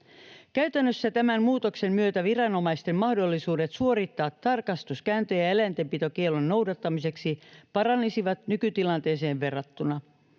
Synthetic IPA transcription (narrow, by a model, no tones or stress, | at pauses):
kæyt̪ænːøsːæt̪æmænmuːt̪o̞kse̞mmyø̞t̪æʋirɑno̞mɑist̪e̞mmɑhdo̞lːisuːde̞t̪suo̞ɾit̪ːɑːt̪ːɑrkɑst̪uskæːnt̪øjɑelænt̪empit̪o̞kielːonːo̞wdɑt̪ːɑmise̞ksipɑɾɑnːisiʋɑt̪nykyt̪ilɑnt̪e̞ːse̞ːʋʋe̞rːɑt̪ːunɑ